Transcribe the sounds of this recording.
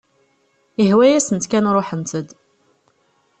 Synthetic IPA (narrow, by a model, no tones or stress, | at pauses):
ihwæjæsənt̪kænɾˤoħənt̪əd̪